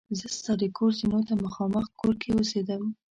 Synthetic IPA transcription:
zəst̪ɑɾekʰoɾzinot̪aməxɑməxkoɾkewosed̪əm

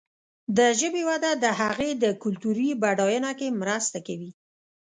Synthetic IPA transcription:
d̪əʒəbewad̪ad̪əhaɣed̪əkʊlt̪uɾibaɽɑjənakemɾəst̪akawi

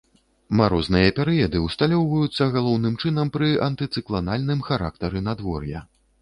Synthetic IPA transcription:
maɾɔznɨjɐpʲɛɾɨjɛd̪ɨwst̪alʲɔwvɐjut̪sːɐɣalˠɔwnɨmt͡ʂɨnɐmpɾɨʔɐnt̪ɨt̪sɨklˠanalʲnɨmxaɾa̰k̚t̪ɐɾɨnad̪vɔrjɐ̰

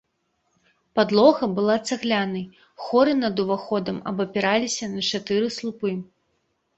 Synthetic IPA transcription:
pad̪lˠɔɣɐbɨlˠat̪sɛɣlʲanɨj | xɔɾɨnɐd̪uvaxɔd̪ɐmɐ̰bɐpʲɛɾalʲisʲɐnɐt͡ʂat̪ɨɾɨslˠupɨ

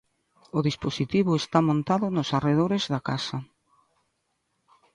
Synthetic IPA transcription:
ʊðisposit̪iβʊest̪amõnt̪aðʊnosareð̞oɾezðakasɐ

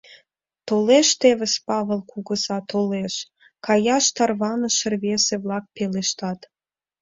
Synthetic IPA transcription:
t̪oleʃt̪eβəspɑβə̆lkuɣə̆zɑt̪oleʃ | kɑjɑʃt̪ɑrβɑnə̆ʃə̆rβeseβlɑk̚peleʃt̪ɑt̪

